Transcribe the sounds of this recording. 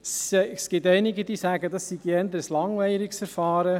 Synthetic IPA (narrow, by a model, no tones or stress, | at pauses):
sskɪt̪ɛɪnɪɡəd̪iːsæːɡəd̪ɑsːidiɛnd̪əɾəslɑŋʋɛɪɾɪksfɛɾfɑːɾə